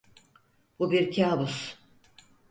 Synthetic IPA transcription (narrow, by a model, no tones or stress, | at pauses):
bubiɾcʰaːbus